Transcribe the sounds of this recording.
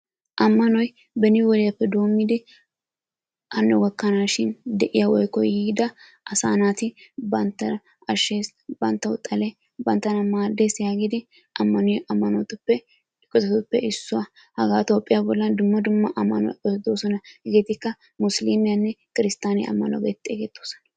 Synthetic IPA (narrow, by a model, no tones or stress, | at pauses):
ʔɐmːɐnɔj | bɛnɪwɔlɛɐpːɛd̪o̞ːmːɪd̪ɛ | ʔɐnːʊɡɐkːɐnaːʃɪnd̪ɛʔɪjɐwɔjkːɔjhiːd̪ɐ | ʔɐsa̰ːnaːt̪ɪbɐnt̪ɐ | ɐʃes | bɐnt̪ːɐʊt̪ʼːɐlɛ | bɐnt̪ːɐnɐmaːd̪ːesɪjaɡɪd̪ɪ | ʔɐmːɐnʊʔɐmːɐnɔt̪ʊpːɛ | kːɔt̪ɐt̪ʊpːɛʔɪsːʊɐ | hɐɡaːt̪oːpʼːɪjɐbɔlːɐnd̪ʊmːɐd̪ʊmːɐʔɐmːɐnɔɔd̪oːsɔnɐɡet̪ɪkːɐ | mʊslimɪjɐnːɛkɪɾɪst̪aːnḛɐ̰mːɐnɔ̰ɡɛ̰t̪ʼːeːɡɛt̪ːoːsɐ̥nɐ